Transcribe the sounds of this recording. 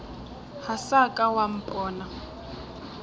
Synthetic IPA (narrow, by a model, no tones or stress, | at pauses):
hasakʼawam̩pʼɔːna